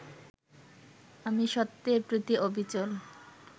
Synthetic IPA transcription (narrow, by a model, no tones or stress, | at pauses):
amiʃɔt̪ːepɾit̪iʔobʱit͡ɕol